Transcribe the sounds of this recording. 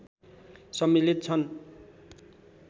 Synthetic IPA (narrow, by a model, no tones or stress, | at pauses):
sʌmːilit̪̚t͡sʰʌn